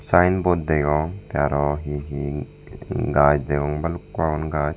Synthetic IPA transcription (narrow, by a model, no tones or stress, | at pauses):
sajnbod̪d̪eɡɔŋt̪aɾɔɦiɦi | ɡad͡ʒd̪eɡɔŋbalukːwaunɡad͡ʒ